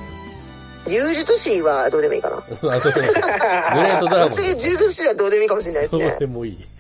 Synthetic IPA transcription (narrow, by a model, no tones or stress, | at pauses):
d͡ʑɨːʑit͡sɨɕiβad̪o̞ːd̪e̞moḭːka̰na̰asode | ẽt̪od̪ɾt͡ɕiɡad͡ʑɨːʑit͡sɨɕiβad̪o̞ːd̪e̞mo̞iːkamo̞ɕ̬iɾinaisoeemoiː